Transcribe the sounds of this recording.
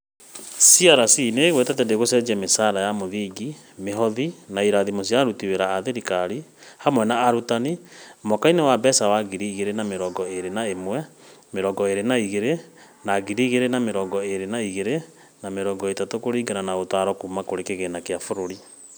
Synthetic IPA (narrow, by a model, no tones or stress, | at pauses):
siaɾasineɣwetɛtɛndeɣosɛd͡ʒiamesaɾajamoðiːɡi | meɦɔðinaiɾaðimos̬iaɾutiweɾaːðeɾikaɾihamwɛnaːɾutanimokainewabɛsawaɡiɾiɣeɾenameɾɔɡɔeɾenaemwɛmeɾɔɡɔeɾenaiɣeɾe | naɣiɾiɣeɾenameɾɔːɡɔeɾenaiɣeɾe | nameɾɔːɡɔetatokoɾiːɡananaotaɾɔkumakoɾekeɣenakeafoɾoɾi